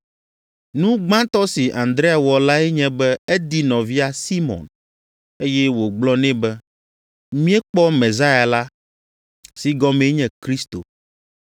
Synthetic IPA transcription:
nũ˦ɡ͡bã˦t̪ɔ˦si˨ʔã˨nd̪ɾe˦a˨wɔ˨la˦ɛ˦ɲɛ̃˦bɛ˦ɛ˦d̪i˦nɔ̃˨vi˦a˦si˦mɔ̰̃˨n | e˦jɛ˦wo˨ɡ͡blɔ˦nɛ̃˦bɛ˦ | mĩ˦ɛ˦k͡pɔ˦mẽ˨za˦ja˨la˦ | si˨ɡɔ˦mẽ˦ɲɛ̃˨kɾi˦st̪o˨

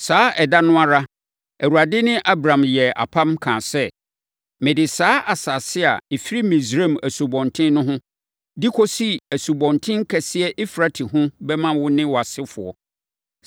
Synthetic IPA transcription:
saː˨˦ɛ˨da˦nʊ̃˦a˦ɾa˦ | æ˨wu˨a˨dɪ˦nɪ̃˦ʔa˦bɾã˨mjɛ˨a̰˨pʰã˦mkʰãː˨sɛ˦ | mɪ̃˨dɪ˨saː˦ʔa˨saː˨sɪ˦a̰˨e˨fi˦ɾi˦mĩ˨sɾe˦˨mæ˨su˨bɔ̃˨ntʰɪ̃˦nnʊ̃˦ɦʊ̃˦ | di˦kʰɔ˦si˦æ˨su˨bɔ̃˨ntʰɪ̃˦ŋ˦kʰɛ˨sɪ˦ɛ˦ʔi˦fɾa˨tʰi˨ɦʊ̃˦bɛ˦mã˦wʊ˦nɪ̃˦wɔ˨a˨sɪ˦fʊ˨ɔ̰˨

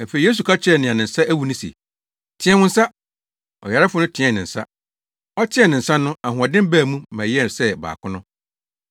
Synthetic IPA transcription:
æ˨fe˨i˨jeː˦s̬u˨kʰa˦t͡ɕʰɪ˦ɛ˨nɪ̃˨ã˨nɪ̃˨n̩˨sa˦ʔæ˦wu˨˦nʊ̃˦sɛ̰˨ | tʰɪ̃˦ɛ̃˦wʊ̃˦n̩˦sa˦ | ɔ̰˨ja˨ɾa˦fʊ˦nʊ̃˦tʰɪ̃˨˦ɛ̃˦˨nɪ̃˨n̩˨sa̰˦ | ɔ˦tʰɪ̃˦ɛ˦˨nɪ̃˨n̩˨sã˦nʊ̃˦a˨ɦʊ̃˨ɔ˨dɪ̃˦m˦bæː˦˨mũ˦mæ̃˨jɛ˦˨n˨sɛ˦ba̰ː˨kʰʊ̃˦nʊ̃˦

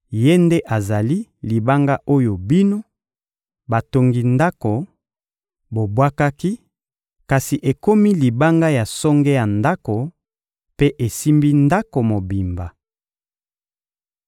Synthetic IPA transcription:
je˦nde˦ʔa˨za˨li˦li˨ba˦ŋɡa˦ʔo˦jo˨bi˦no˦ | ba˨to˦ŋɡi˨nda˦ko˨ | bo˨bwa˦ka˦ki˦ | ka˨si˨ʔe˨ko˦mi˦li˨ba˦ŋɡa˦ja˨sɔ˦ŋɡe˦ja˨nda˦ko˨ | pe˦ʔe˨si˦mbi˦nda˦ko˨mo˨bi˨mba˨

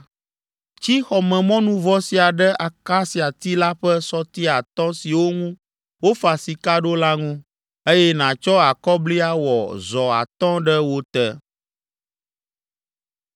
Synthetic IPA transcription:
t͡ʃi˦xɔ˨mɛ̃˨mɔ̃˦nũ˦vɔ˦si˨a˨ɖə˦ʔa˨ka˦si˨a˨t̪i˦la˦ɸə˦sɔ˦t̪i˦a˨t̪ɔ̃˦si˨wo˦ŋũ˦ | wo˦fa˨si˨ka˦ɖo˦la˦ŋũ˦ | e˦jɛ˦nã˨t͡ʃɔ˦a˨kɔ˦bli˦a˦wɔ̰˨zɔ˨a̰˨t̪ɔ̃˦ɖə˦wo˦t̪ɛ˦

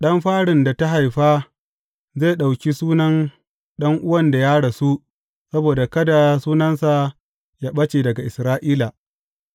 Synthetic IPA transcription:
ɗɐ˦mɸaː˦ɽɪ˨nda˨ta˦ɦa˨jɸaː˦ | zeː˦˨ɗa˨wkʲi˦suː˦nɐ˦n | ɗɐ˦ŋʔʊ˦wɐ˦nda˨jaː˦ɽa˨su˦ | sɐ˦boː˨da˨kɐ˦da˨suː˦nɐ˦nsa˨ | jaː˦ɓɐ˦t͡ʃe˨dɐ˨ɡa˨ʔɪ˨sɾaː˦ʔiː˦la˨

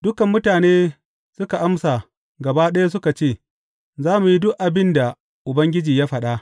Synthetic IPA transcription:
d̥ʊ˦kɐ˨mːʊ˦taː˨neː˦ | sʊ˦ka˨ʔa˦msa˨ | ɡɐ˨baː˦ɗɐ˦ja˦s̬ʊ˦ka˨t͡ʃeː˦˨ | zaː˦mu˨ji˦dʊ˦ʔʔa˨bɪ˦nda˨ | ʔʊ˨bɐ˦ŋɡʲɪ˦d͡ʒiː˨jaː˦ɸɐ˨ɗa˦ʔ

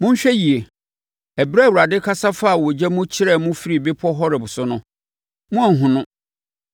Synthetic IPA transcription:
mʊ̃˦n˦ɕᶣɛ˦ji˨e˨ | æ˨bɾɛ˦˨wu˨ɾa˨dɪ˦kʰa˦sa˦fa˦˨wɔ˨d͡ʑɛ˦mʊ̃˦t͡ɕʰɪ˦ɾɛ˦˨mʊ̃˦fi˦ɾi˨be˦pʰɔ˦ɦɔ˦ɾɪ˨bʊ˨sʊ˦nʊ̃˦ | mʊ̃˦a˨ɦʊ̃˨nʊ̃˦

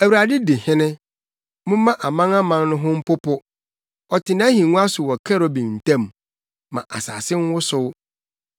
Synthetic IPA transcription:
æ˨wu˨ɾa˨dɪ˦dɪ˨hɪ̃˦nɪ̃˦ | mʊ̃˦mã˦ʔa˨mã˦ŋa˦mã˦n˦nʊ̃˦ɦʊ̃˦m̩˦pʊ˦pʊ˦ | ɔ˨tʰɪ˨nã˦ɦĩ˨nũ˦a˦sʊ˨wɔ˨kʰɛ˦ɾɔ˦bĩ˨n̩˨tʰã˦˨mː | ã̰˨ʔa̰˨sa̰ː˨sɪ˦ŋ̩˦wʊ˦sʊ˦w

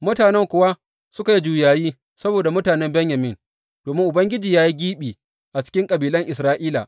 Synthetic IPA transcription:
mʊ˦taː˨nɛ˦ŋkʷʊ˦wa˦ | sʊ˦ka˨ji˦d͡ʒuː˨jaː˨jiː˦ | sɐ˦boː˨da˨mʊ˦taː˨nɛ˦mbɛ˦ɲjɐ˨mɪ˦˨n | d̥oː˨mɪ˦ŋʔʊ˨bɐ˦ŋɡʲɪ˦d͡ʒiː˨jaː˦ji˦ɡʲiː˦ɓiː˨ | ʔa˨t͡ʃɪ̥˦kʲɪ˦ŋkʼɐ˨biː˨lɐ˦ŋʔɪ˨sɾaː˦ʔiː˦la˨

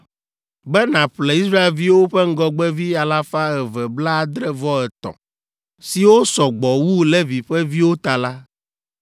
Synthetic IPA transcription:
bɛ˦nã˨ɸlɛ˨i˦sɾa˦e˨lvi˦wo˦ɸɛ˦ŋ̩˦ɡɔ˦ɡ͡bɛ˦vi˦a˨la˦fa˦ɛ˨vɛ˨bla˦a˨d̪ɾɛ˦vɔ˦ɛ˨t̪ɔ̰̃˨ | si˨wo˦sɔ˨ɡ͡bɔ˨wu˦lɛ˦vi˨ɸɛ˦vi˦wo˦t̪a˨la˦

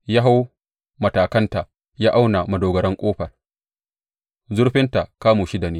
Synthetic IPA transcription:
jaː˦ɦa˦w | mɐ˨taː˨kɐ˦nta˨ʔ | jaː˦ʔa˦wna˨mɐ˨doː˨ɡɐ˨ɽɐ˦ŋkʷʼoː˦ɸɐ˨r | zʊ˦ɽɸɪ˦nta˨kaː˦moː˨ʃi˦da˨neː˦

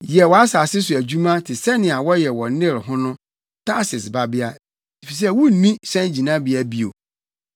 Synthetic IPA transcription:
jɛ˨wɔ˨a˦sa˨sɪ˦s̬ʊ˨æ˨d͡ʑu˦mã˦tʰɪ˨sɛ˦nɪ̃˨a˨wɔ˦jɛ˨wɔ̃˨˦nɪ̃˦˨ɾɦʊ̃˦nʊ̃˦ | tʰa˦sɪ˨sba˦bɪ˦a˦ | di˨fi˨s̬ɛ˦wu˦˨nĩ˦sɛ̃˦d͡ʑĩ˨nã˦bɪ˨a˦bi˦o˨

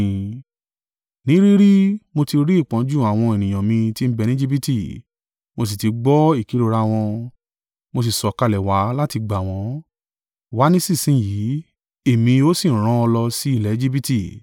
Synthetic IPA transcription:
nĩ˨˦ɾi˦ɾi˦mo˧ti˧ɾi˦i˦˨k͡pã˨˦d͡ʒu˦˨a˨w̃ɔ̃˧e˨nĩ˨j̃ã˨mĩ˧ti˦m̩˦bɛ˧nĩ˦d͡ʒi˦bi˦ti˦˨ | mo˧s̬i˨ti˧ɡ͡bɔ˦i˦˨ki˨˦ɾo˧ɾa˦w̃ɔ̃˧ | mo˧s̬i˨sɔ˨ka˧lɛ˨wa˨˦la˦ti˧ɡ͡ba˨w̃ɔ̃˨˦ | wa˨˦nĩ˦si˦˨sĩ˦˨ji˨˦ | e˦˨mĩ˧o˦si˦˨˦ɾ̃ã˦ɔ˧lɔ˧si˦i˦˨lɛ˨˦d͡ʒi˦bi˦ti˦˨

